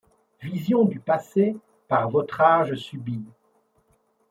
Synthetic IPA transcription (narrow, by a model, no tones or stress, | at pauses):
vizjɔ̃d̪ypase | paʁvɔt̪χaʒəsybi